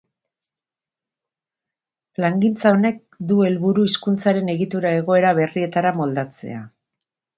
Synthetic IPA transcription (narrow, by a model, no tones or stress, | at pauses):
plaŋɡint͡sao̞ne̞k̚ | d̪ue̞lβuɾuiskunt͡saɾe̞ne̞ɣit̪uɾae̞ɣ̞o̞e̞ɾaβe̞rie̞t̪aɾamo̞ld̪at͡se̞̰a